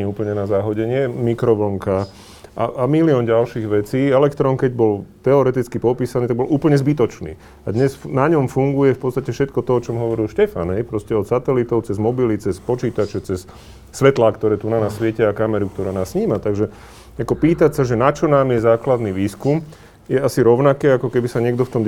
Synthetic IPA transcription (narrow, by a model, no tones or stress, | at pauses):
iuːpl̩ɲɛnazaɦɔɟɛɲɪɛmikɾɔʋɔŋka | ʔa̰ʔamiliɔnɟalʃiːɣʋɛt͡siːɛlɛkt̪ɾɔnkɛɟbɔlt̪ɛɔɾɛt̪it͡skipɔpiːsaniːt̪aɡ̚bɔluːpl̩ɲɛzbit̪ɔt͡ʃnḭː | ad̪ɲɛsnaɲɔmfuŋɡujɛfpɔtt͡st̪acɛfʃɛt̪kɔt̪ɔɔt͡ʃɔmɦɔʋɔɾilʃcɛfa̰nɛjpɾɔscɛɔt̪sat̪ɛlit̪ɔʊt͡sɛzmɔbilit͡sɛspɔt͡ʃiːt̪at͡ʃɛt͡sɛsː | ʋɛt̪laːkt̪ɔɾɛːt̪unanassʋɪɛcɛakamɛɾuk̚t̪ɔɾaːnaːsːɲiːmat̪aɡʒɛ | akɔpiːt̪acsaʒɛnat͡ʃɔnaːmjɛzaːklad̪niːʋiːskum | jɛasiɾɔʊnakɛakɔkɛbisaɲɪɛɡd̪ɔft̪ɔm